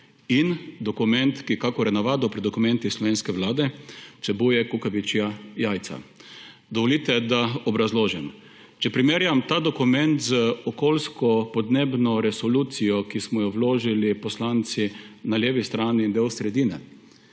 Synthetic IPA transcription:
ind̪ɔkumɛnt̪kikakɔɾɛnaʋaːd̪ɔpɾid̪ɔkumɛ̃nt̪islɔʋeːnskɛʋlaːd̪ɛsɛbujɛkukaʋit͡ʃjajaːjt̪sa̰ | d̪ɔʋɔliːt̪ɛd̪aɔbɾazloːʒɛm | t͡ʃɛpɾimeːɾjamt̪aːd̪ɔkumɛnt̪zəɔkoːlskɔpɔd̪neːbnɔɾɛsɔlut̪sijɔkismɔjɔwloːʒilipɔslaːnt̪sinaljeːʋist̪ɾaːniːnd̪ewsɾɛd̪iːnɛ̰

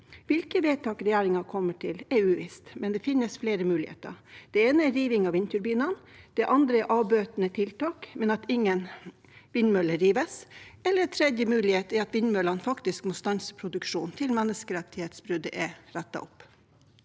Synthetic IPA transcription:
ʋɪlkəʋeːt̪ʰɑːkɾɛjæːɾɪŋɑkʰɔmːəʈʰɪlɛɾʉːʋɪ̰st̪mɛnd̪ɛfɪnːəsfleːɾəmʉːlɪhḛːt̪ə̰ɾd̪̥ɛeːnəɛɾiːʋɪŋɑʋɪnt̪ʰʉɾbiːnənd̪̥ɛʔɑnd̪ɾəɛʔɑːbøːt̪ənət̪ʰɪlt̪ɑːkmɛnɑt̪ɪŋːən | ʋɪnmœləɾiːʋəsɛlːət̪ʰɾɛd̪jəmʉːlɪheːt̪ɛɾɑt̪ʋɪnmœlɑnfɑkt̪ɪskmoːst̪ɑnsə̥pʰɾʊd̪ʉkʂuːnt̪ʰɪlmɛnːəskəɾɛt̪ːɪheːt̪sbɾʉd̪əʔɛɾɛt̪ːɑ̰ʔɔpː

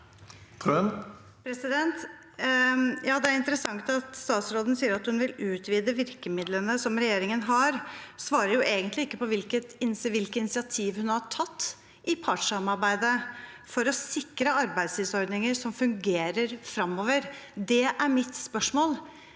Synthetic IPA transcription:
t̪ʰøn | pʰɾɛsɪd̪ɛnt̪ | jɑːd̪ɛæɾɪnt̪əɾəsɑŋt̪ɑt̪st̪ɑːt̪sɾoːd̪nsiːəɾɑt̪hʉnʋɪlʉːt̪ʰʋiːd̪əʋɪɾkəmɪd̪lənəsɔmɾɛjeːɾɪŋənɦɑɾsʋɑːɾəɾjʊʔeːɡənt̪lɪɪkːəpɔʋɪlkət̪ɪnsʋɪlkəɪnɪsɪɑt̪ʰiːʋhʉnhɑʈʰɑt̪ː | ʔɪpʰɑʈʂɑmɑɾbæɪd̪ə | fɔɾɔsɪkɾəɑɾbæɪd̪slɪsɔɾd̪nɪŋəɾʂɔmfʉŋɡeːɾəɾfɾɑmːoːʋəɾd̪ɛʔæɾmɪt̪spœʂmoːl

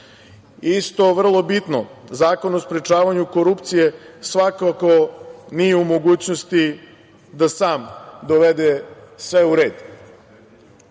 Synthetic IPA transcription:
ist̪o̞ʋr̩lˠo̞bit̪nozaːko̞nospɾet͡ʃaːʋaɲuko̞ɾupt̪sije̞sʋakakonijeumo̞ɡuːt͡ɕnost̪i | d̪asaːmd̪oʋed̪esʋeuɾeːd̪

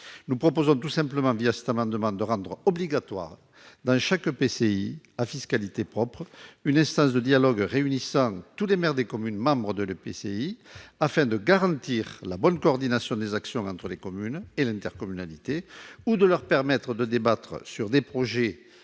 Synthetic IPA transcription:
nupχɔpozɔ̃t̪usɛ̃mpləmɑ̃viasɛ̥t̪amɑ̃d̪əmɑ̃d̪əʁɑ̃d̪ʁəɔbliɡat̪wa̰ʁ | d̪ɑ̃ʃakpeseiafiskalit̪epχɔpχəynɛ̃st̪ɑ̃s̬d̪əd̪jalɔɡʁeynisɑ̃t̪ulemɛʁd̪ekɔmynmɑ̃bʁəd̪ələpeseiafɛ̃d̪əɡaʁɑ̃nt̪iʁlabɔnkoːʁd̪inasjɔ̃d̪ezaksjɔ̃ɑ̃nt̪χəlekɔmynelɛ̃nt̪ɛʁkɔmynalit̪eud̪əlœʁpɛʁmɛt̪χəd̪əd̪ebat̪χə̰syʁd̪epχɔʒe

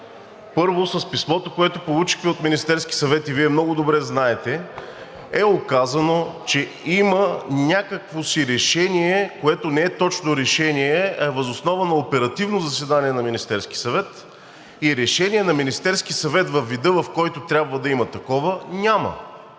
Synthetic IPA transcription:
pɤɾvosɐspismɔt̪okoɛt̪opolˠut͡ʃi̥xt̪ɛot̪minist̪ɛɾsk̟i̥sɐvɛt̪iviɛmnɔɡʊd̪obɾɛznaɛt̪ɛ | ɛokazɐnot͡ʃɛ | imɐnʲakəkvosiɾɛʃɛniɛkoɛt̪onɛɛt̪ɔt͡ʃnoɾɛʃɛniɛɐɛvɐzosnɔvɐnɐopɛɾɐt̪ivnozɐsɛd̪aniɛnɐminist̪ɛɾsk̟isɐvɛt̪ | iɾɛʃɛniɛnɐminist̪ɛɾsk̟isɐvɛt̪vɐfːid̪ɤvɐfkɔjt̪ʊt̪ɾʲabvəd̪ɐimɐt̪ɐkɔvənʲamə̰

